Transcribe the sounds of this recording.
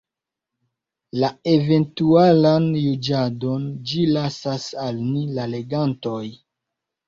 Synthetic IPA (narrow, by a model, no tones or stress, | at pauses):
lae̞ve̞ntualanjud͡ʒado̞nd͡ʒilasasalnilale̞ɡanto̞j